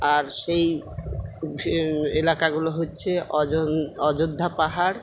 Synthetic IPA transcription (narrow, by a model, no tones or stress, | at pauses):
aɾʃej | elakaɡuloɦotːɕʰe | ɔd͡ʑod̪ʱːapaɦaɾ